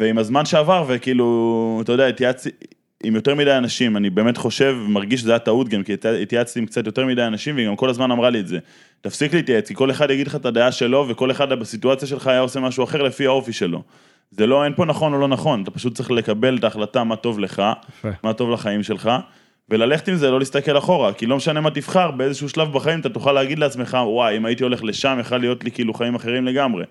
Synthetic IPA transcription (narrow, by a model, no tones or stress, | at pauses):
veimazmanʃe̞avaʁve̞kiːluat̪ajod̪eaitjat͡si | imjo̞te̞ʁmidajanaʃimanibe̞ːme̞tχo̞ʃe̞vemaʁɡiʃ̬zajat̪autɡamkiit̪jaat͡stiimkt͡satjo̞te̞ʁmidajanaʃimveiɡamko̞lazmanamʁalietze̞ | t̪afsikliit̪jaet͡skiko̞le̞χad̪jaɡidleχaetadaaʃe̞lo̞ve̞ko̞le̞χadbasituat͡sjaʃ̬e̞lχaːjaose̞maʃuaχe̞ʁle̞fihao̞fiʃe̞lo̞̰ | zelo̞enpo̞naχo̞no̞lo̞naχo̞nat̪apaʃut̚t͡siχle̞kabe̞ltaːχlatamato̞vle̞χamato̞vlaχaimʃe̞lχa | ve̞lale̞χetimzelolist̪akelaχo̞ʁakilo̞meʃane̞matifχaʁbeezeʃuuʃlavbaχaimat̪at̪oχaleːaɡid̪leat͡sme̞χawajimaitio̞le̞χle̞ʃamjeχalːijo̞tlikiiːluχaimaχe̞ʁimle̞ɡamʁe̞̰